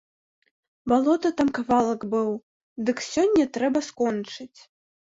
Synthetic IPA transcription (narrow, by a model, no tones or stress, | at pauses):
balˠɔt̪ɐt̪amkavalˠɐkbɨw | d̪ɨksʲɔnʲːɐt̪ɾɛbɐskɔnt͡ʂɨt͡sʲ